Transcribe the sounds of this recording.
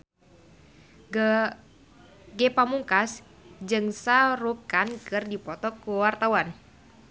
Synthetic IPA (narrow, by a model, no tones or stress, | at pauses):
ɡepamuŋkas | d͡ʒɨŋsaɾukankɨrdipɔt̪ɔkuwart̪awan